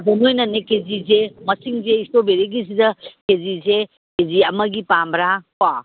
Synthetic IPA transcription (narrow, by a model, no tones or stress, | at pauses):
bomojnɐnekezizemɐsiŋzeistobeɾeɡis̬idɐkezize | keziɐmɐɡipambɾakwa